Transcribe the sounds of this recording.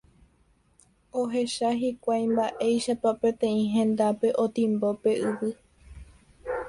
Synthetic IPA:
oɦe̞ʃaɦikʷajmbaʔe̞jʃapapẽ̞t̪ẽ̞ĩɦẽ̞nd̪ape̞ʔo̞t̪ĩmbope̞ʔɨʋɨ

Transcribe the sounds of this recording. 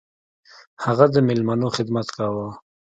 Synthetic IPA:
haɣad̪əmɪlmanoxɪd̪mat̪kawa

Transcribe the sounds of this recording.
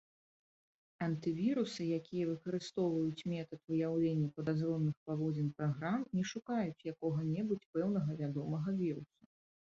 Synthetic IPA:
ɐnt̪ɨvʲiɾusɨjakʲijɛvɨkɐɾɨst̪ɔwvɐjut͡sʲmʲɛt̪ɐt̪vɨjawlʲenʲːɐpɐd̪azrɔmnɨxpavɔd͡zʲɛnpɾaɣɾamnʲɛʂukajut͡sʲjakɔɣɐnʲɛbut͡sʲpɛwnɐɣɐvʲad̪ɔmɐɣɐvʲiɾusu

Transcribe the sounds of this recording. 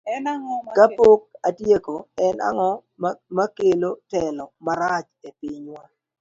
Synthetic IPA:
kapok̚adjekoɛna̰ŋɔ | makelotɛlɔmaɾat͡ʃepiɲwa

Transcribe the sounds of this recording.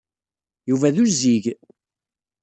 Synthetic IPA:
juvæðuziʝ

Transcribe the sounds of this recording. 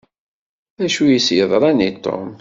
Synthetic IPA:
æʃujisjəðˤɾˤɑnit̪ːo̰m

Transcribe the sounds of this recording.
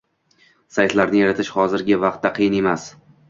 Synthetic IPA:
sajt̪laɾnɪjaɾat̪ʰɪʃhɒzɪɾɡʲɪvɑq̚t̪ːaqʰɨjɪne̞mas

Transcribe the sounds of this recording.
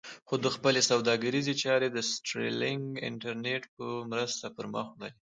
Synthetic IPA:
xod̪əxpəlesawd̪ɑɡaɾizet͡ʃɑɾed̪əsʈɾḛlɪŋɡɪ̰ɳʈaɾneʈpəmɾəst̪apəɾmɑ̰xnawi

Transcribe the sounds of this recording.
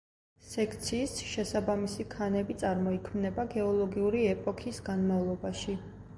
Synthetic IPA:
sɛkʰt̪sʰiːsʃɛsabamisikʰanɛbit̪sʼaɾmɔikʰmnɛbaɡɛɔlˠɔɡiuɾiɛpʼɔkʰisɡanmavlˠɔbaʃi

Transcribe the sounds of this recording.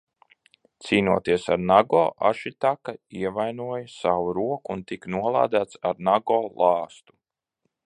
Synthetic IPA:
t̪siːnuɔt̪iɛsaɾnaɡɔ̰ːʔaʃit̪akaiɛvajnuɔjasawuɾuɔkuːnt̪iknuɔlˠa̰ːd̪æːt̪saɾnaɡɔːlˠɑːst̪u̥

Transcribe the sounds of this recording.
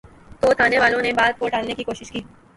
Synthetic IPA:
t̪oːt̪ʰaːneʋaːlõnebaːd̪̚koʈaːlnekikoːʃɪʃkiː

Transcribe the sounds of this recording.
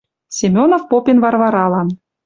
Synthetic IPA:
sʲemʲonofpopʲenvɑrvɑɾɑlˠɑn

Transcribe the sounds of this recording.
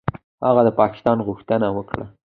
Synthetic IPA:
haɣad̪əpɑkɪ̥st̪ɑnɣuxt̪ənawəkɽa̰

